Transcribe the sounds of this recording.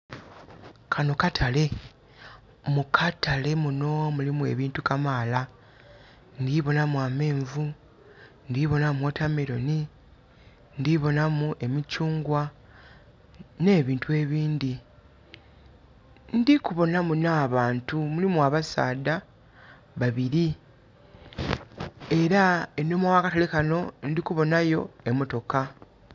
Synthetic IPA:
kʰano̞katʰale̞ | mukʰatʰale̞muno̞mulimue̞̰βiːntukamaːla | ndiβo̞namwaːme̞ːɱvu | ndiβo̞namotameɾo̞̰ni | ndiβo̞namuʔe̞micuːŋɡwa | ne̞ːβiːntue̞ːβiːnd̪i | ndikuβo̞namunaːβaːntumulimuaβasa̰ːda | βaβiɾi | e̞ɾaenːo̞mawakatalekano̞ndikuβo̞najo̞̰emo̞to̞ka

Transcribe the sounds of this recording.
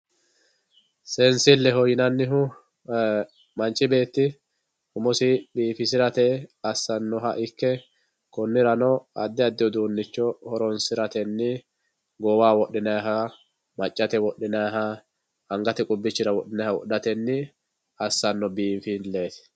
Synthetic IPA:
sɛnsɪlːɛɦɔjɪnɐnːɪɦʊ | mɐnt͡ʃʼɪbe̞ːt̪ːɪ | hʊmɔsɪbiːfɪs̬ɪɾɐt̪ɛɐsːɐnːɔɦɐʔɪkːɛ | kʊnːɪɾɐnɔɐd̪ːɪɐd̪ːɪɔd̪uːnːɪt͡ʃːɔhɔɾɔnsɪɾɐt̪ɛnːɪ | ɡɔwaːwɔɗɪnɐɦɐ | mɐt͡ʃʼːɐt̪ɛwɔɗːɪnɐɦɐ | ɐŋɡɐt̪ɛkʼʊbːɪt͡ʃːɪɾɐwɔɗɪnɐhɐwɔ̰ʔːɐt̪ɛnːɪ | ɐsːɐnːɔbiːfinle̞ːt̪ɪ̥

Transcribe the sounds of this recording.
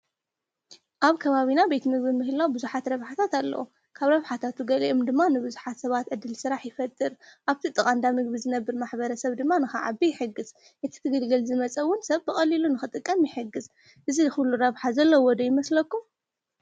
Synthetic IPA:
ʔaβkʰɐβaβinabet̪mɨɡ̚bimɨhɨlawbɨzuħat̪ɾɐβħat̪ʰat̪alːɐ̰wṵ | kʰaβɾɐβħat̪ʰat̪uɡɐlḭʔomd̪ɨmːanɨbɨzuħat̪sɐβat̪ʕɨd̪ːɨlsɨɾaħjɪfɐt̪ʼːɨɾʔaβt̪ʰit̪ʼɨkʼand̪amɨɡbizɨnɐbːɨɾmaħbɐɾɐsɐβd̪ɨmːanɨxa̰ʕa̰bijɪħɨɡɨz | ʔɨt̪ʰi̥t̪ʰɨɡɨlɡɨlzɨmɐt͡sʼɐwːʊnsɐβbɨχʼɐlilunɨxɨt̪ʼɨkʼːɐmjɪħɨɡːɨz | ʔɨziɨxulːuɾɐβħazɐlːɐwɔd̪ɐjɪmɐslɐkːum

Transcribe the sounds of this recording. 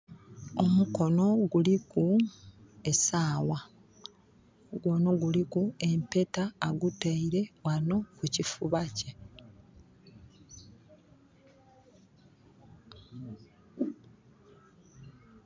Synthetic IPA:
o̞muko̞no̞ɡuliku | e̞saːwa | ɡwo̞ːno̞ɡulikue̞mpe̞taːɡutaiɾe̞wano̞kucifuβace

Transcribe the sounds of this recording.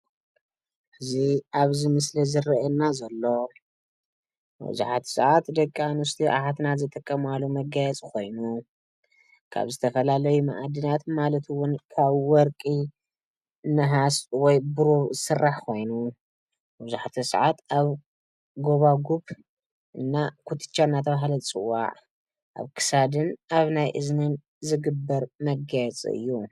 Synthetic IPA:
hɨziaβzimɨslɐzɨrɐʔɛnːazɐlːo̞ | bɨ̰zṵħat̪ʰsɨ̰ʕat̪d̪ɐkʼːanust̪ʰiʔa̰ħat̪nazɨt̪ʼɨkʼːɐmalːumɐɡajɛt͡sʼkʰo̞jnu | kʰa̰βzɨt̪ʰɐfɐlalɐjuma̰ʔad̪inat̪malɐt̪ʰwʊnkʰaβwɔɾkʼi | nɨɦaswɔjbɨɾozɨsɨrːaħkʰo̞jnu | bbɨzuħt̪ʰisʕat̪aβ | ɡo̞βaɡuβ | ʔɨnːakʰut̪ʰɨ̥t͡ʃːaɨnːat̪ʰɐβaɦlɐt͡sʼɨ̰wːa̰ʕ | ʔa̰βkʰɨ̥sad̪ɨnaβnajʔɨznɨn | zɨɡɨbːɐɾmɐɡajɛt͡sʼḭɨ̰jːu

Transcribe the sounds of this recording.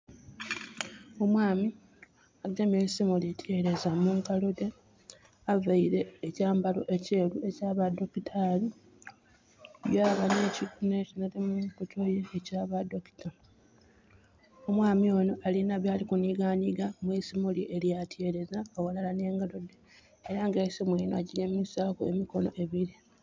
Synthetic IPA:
o̞mwaːmi | aɡamesimulitʰje̞ɾe̞zamuŋkalo̞de | avaiɾe̞ːcaːmbalo̞̰ʔe̞ce̞ːlue̞caːβado̞kitʰali | βjaːβanecikunecinatemukotʰojeːcaːβado̞ki̥ta | omwaːmio̞no̞ʔalinaβjaːlikuniɡaɲiɡamwisimuliʔe̞ljatʰje̞ɾe̞zaowalalane̞ːŋɡalo̞de | eɾaŋɡeːsimwiːnoa̰ɟileːmumisaːkoḛmiko̞no̞̰ʔe̞βiɾi

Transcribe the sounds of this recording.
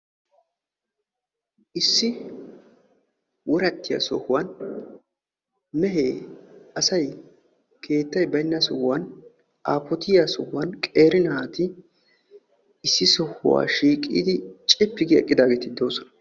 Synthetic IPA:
ʔɪsːɪ | wɔɾɐt̪ːɪja̰sɔhʊwɐn | mɛɦeːɐsɐj | kʰe̞ːt̪ːɐjbɐjnːɐsɔhwɐn | ʔaːpːɔt̪ɪjasɔhʊwɐnkʼe̞ːɾɪnɐat̪ɪ | ɪsːɪsɔhʊ̰wa̰ːʃiːkʼḭːd̪ɪt͡ʃʼɪpːɪɡɪɛ̰kʼːɪd̪aːɡeːt̪ɪd̪o̞ːsɔnɐ

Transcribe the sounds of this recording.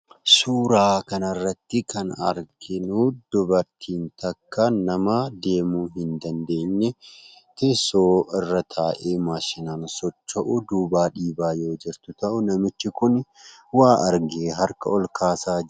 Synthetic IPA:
suːɾaːkɐnɐrːɐt̪ːɪkɐnɐ̰ɾɡɪnuːd̪̥ʊbɐɾt̪ʰiːnt̪ɐkːanɐmad̪e̞ːmuːɦɪnd̪ɐnd̪e̞ːɲːɛ | t̪ɛsoːɪrːɐt̪ʰaːʔeːmaːʃɪnaːnsɔt͡ʃːɐʔʊd̪uːbaːᶑiːbaːjo̞ːd͡ʒɪɾt̪ʊt̪ɐʔʊnɐmɪt͡ʃːɪkʊnwaːʔɐɾɡeːɦɐɾkɐɔlkaːsaː

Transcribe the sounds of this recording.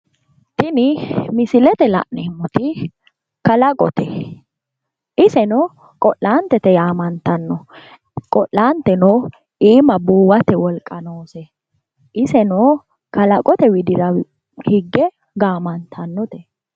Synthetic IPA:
t̪ɪnɪmɪsɪlɛt̪ɛlɐ̰ʔnɛmːʊt̪ɪ | kɐlɐkʼɔ̰t̪ɛ | ʔɪsɛnɔː | kʼɔʔːaːnt̪ːɛt̪ɛjaːmɐnt̪ɐnːɔ | kʼɔʔlaːnt̪ːɛnoː | iːmɐbuːwɐt̪ɛwɔlkʼːɐnoːsɛ | ʔɪsɛnoː | kɐlɐkʼɔt̪ɛwɪd̪ɪɾɐ | hɪɡːɛ | ɡaːmɐnt̪ʰɐnːɔt̪ɛ

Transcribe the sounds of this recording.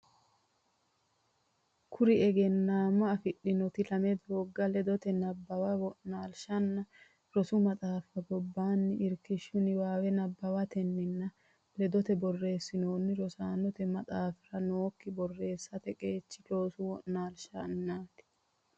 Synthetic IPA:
kʰʊɾɪɛɡɛnːaːmɐːfɪɗːɪnɔt̪ɪlɐmɛd̪oːɡːɐlɛd̪ɔt̪ɛnɐbːɐwɐwɔʔnaːlʃɐnːɐ | ɾɔsʊmɐt̪ʼaːfɐɡɔbːaːnːɪɪɾkɪʃːʊnɪwaːwɛnɐbːɐwɐt̪ɛnːɪnːɐ | lɛd̪ɔt̪ɛbɔrːe̞ːsːɪnoːnːɪɾɔsaːnɔt̪ɛmɐt̪ʼaːfɪɾɐno̞ːkːɪbɔrːe̞ːsːɐt̪ɛkʼe̞ːt͡ʃːɪlo̞ːsʊwɔʔnaːlʃɐnːaːt̪ɪ̥

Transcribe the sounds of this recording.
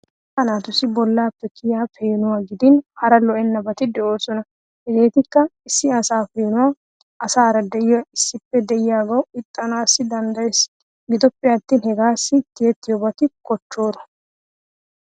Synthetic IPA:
hɐnaːt̪ʊsɪbɔlːaːpːɛkɪjaːfeːnʊwaːɡɪd̪ɪnhɐɾɐlɔʔɛnːɐbɐt̪ɪd̪ɛʔo̞ːsɔnɐ | hɛɡe̞ːt̪ɪkːɐɪsːɪɐsaːfeːnʊwaː | ʔɐsaːɾɐd̪ɛjɪjɐɪsːɪpːɛd̪ɛʔɪjaːɡɐwɪt̪ʼːɐnaːsːɪd̪ɐnd̪ɐjes | ɡɪd̪ɔpːɪjat̪ːiːnhɛɡaːsːɪt̪ːɪjɛt̪ːɪjɔbɐt̪ɪkɔt͡ʃːo̞ːɾɐ̥

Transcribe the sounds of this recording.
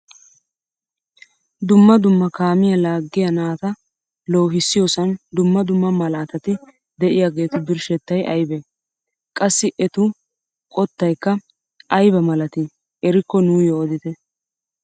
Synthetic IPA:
d̪ʊmːɐd̪ʊmːɐkaːmɪjɐlaːɡːɪjɐnaːt̪ɐ | lo̞ːɦɪsːɪjosɐnd̪ʊmːɐd̪ʊmːɐmɐlaːt̪ɐt̪ɪ | d̪ɛʔɪjaːɡe̞ːt̪ʊbɪɾʃɛt̪ːɐjʔɐjbɛ | kʼɐsːɪʔɛt̪ʊ | kʼɔt̪ːɐjkːɐ | ʔɐjbɐmɐlɐt̪ɪ | ɛɾɪkːɔnuːjɔːd̪ɪt̪ɛ

